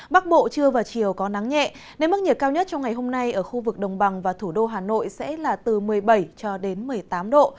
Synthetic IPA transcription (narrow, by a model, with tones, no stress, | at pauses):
ɓa˦˥k̚ɓo̰˧˨t͡ɕɨ˧əvaː˨˩t͡ɕi˨˩əwkɔ˨˦na˨˦ŋɲɛ̰˧˨ | ne˧m̚˦˥ɲi˨˩p̚kaː˧wɲə˦˥t̚t͡ɕɔ˧wŋ͡mŋa˨˩jɦo˧mna˧jʔəː˧˩xu˧vɨ˨˩k̚ɗə˨˩wŋ͡mɓa˨˩ŋvaː˨˩t̪ʰu˧˩ɗo˧ɦaː˨˩no̰˧˨jsɛ̰˧˥laː˨˩t̪ɨ˨˩mɨ˨˩əjɓə˧˩jt͡ɕɔ˧ɗe˨˦nmɨ˨˩əjt̪aː˨˦mɗo̰˧˨